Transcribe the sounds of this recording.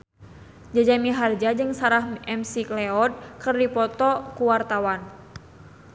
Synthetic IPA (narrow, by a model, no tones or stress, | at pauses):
d͡ʒad͡ʒamiɦard͡ʒad͡ʒɨŋsaɾahɛmsiklɛɔd̪̚kɨrdipɔt̪ɔkuwart̪awan